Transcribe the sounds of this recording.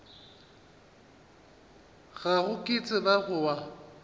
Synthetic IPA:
ɣaɣʊkʼɪt͡sʼɪbaɣʊwa

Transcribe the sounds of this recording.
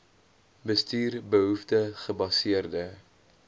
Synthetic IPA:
bəstiːrbəɦuftəχəbɐsiərdə

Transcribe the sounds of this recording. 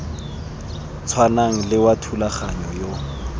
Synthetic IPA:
t͡sʰwanaŋ̩lɪwatʰulaχaɲɔjo

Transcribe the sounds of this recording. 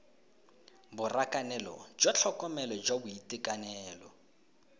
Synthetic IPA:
bʊrakʼanɛlɔ̰d͡ʒɔt͡ɬʰɔkʼɔmɛlɔd͡ʒwabʊitʼɪkʼanɛːlɔ

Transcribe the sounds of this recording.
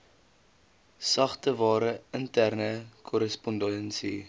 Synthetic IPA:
sɐχtəvɑːɾəəntærnəkʰɔɾəspɔndɛnsi

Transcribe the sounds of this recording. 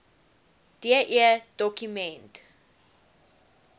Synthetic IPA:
d̥iaʔiəd̥ɔkjumɛ̃nt

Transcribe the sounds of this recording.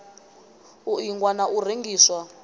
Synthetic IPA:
uiŋɡwanaʔur̤iŋɡiːswa

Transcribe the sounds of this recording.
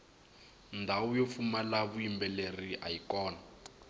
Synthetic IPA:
ndʱawujofumalaβuimbɛleriʔajikɔːna

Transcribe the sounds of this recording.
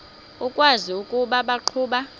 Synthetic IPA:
ukʼwaziukʼuɓaɓaǃʰuːɓa

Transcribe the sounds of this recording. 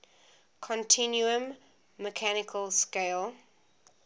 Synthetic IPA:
kʰɔ̃ntʰɪ̃njuə̃mː | əkʰænɪkʰəlskeɪlˠ

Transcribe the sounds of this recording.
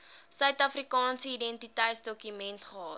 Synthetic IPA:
sœɥtɐfrikɑːnsəidɛntitɛjtsdɔkymɛntχəɦɑːt

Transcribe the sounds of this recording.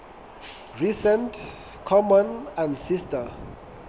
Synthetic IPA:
ɹisɛ̃nt | kʰɔmɔ̃nãndsista

